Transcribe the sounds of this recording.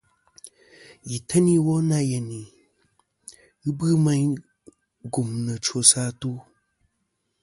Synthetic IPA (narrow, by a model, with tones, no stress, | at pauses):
ji˨tʰə˦ni˦wɔ˦na˦jɛ˨ni˨ | ɨ˦bɨ˦ma˦ɲ | ɡu˨mnə˨t͡ʃo˨saː˦tu˦